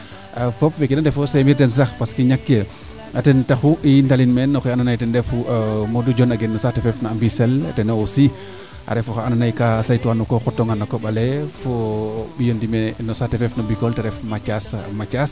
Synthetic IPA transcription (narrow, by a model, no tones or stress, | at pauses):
afɔpwekidandɛfɔsemiɾtɛns̬axpaskiɲakːe | atɛntaxuʔintalinmɛnːɔxɛananajtɛndɛfumodud͡ʒɔnaɡɛnːɔsatɛfɛfnaambisɛltɛnoosi | ʔa̰ɾɛfɔxaananajkasajtuwanɔkɔxɔtːɔŋanːɔkɔɓalɛfobijondimɛnɔsatɛfɛfnɔbikɔltɛɾɛfmat͡ʃasmat͡ʃas